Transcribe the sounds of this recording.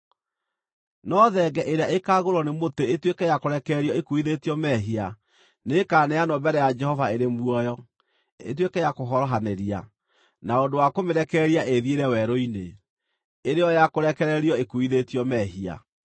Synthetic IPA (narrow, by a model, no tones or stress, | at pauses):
nɔðɛɡɛʔeɾeaekaɣoɾɔnemoteetwekɛjakoɾɛkɛɾiɔekuiðetiɔmɛɦia | nekaːnɛjanɔbɛɾɛjad͡ʒɛhɔvaeɾemwɔjɔ | ḛt̬wekɛjakoɦɔɾɔɦaneɾia̰ | naondowakomeɾɛkɛːɾiaʔeðjeɾɛwɛɾoine | eɾeɔjakoɾɛkɛɾɛɾiɔekuiðetiɔmɛːɦia̰